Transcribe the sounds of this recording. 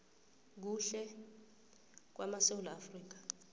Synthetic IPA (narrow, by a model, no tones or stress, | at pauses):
k̬uɬɛ | k̬wʔamasewulɔafriːk̬ḁ